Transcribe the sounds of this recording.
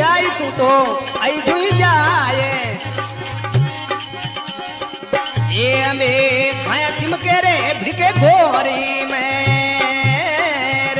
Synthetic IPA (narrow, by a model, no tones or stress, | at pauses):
aːiːsʰũːʈ̪oːəid͡ʒuĩːd͡ʒaːje | eːəmeːkʰãːjãːt͡ʃimkeːɾeːbʱɾikeːd̪ʱoːɦəɾiːme